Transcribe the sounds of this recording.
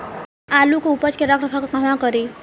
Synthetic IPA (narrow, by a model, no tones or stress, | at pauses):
aːlukoupət͡ʃkeɾəkʰɾəkʰakakaɦmãkəɾi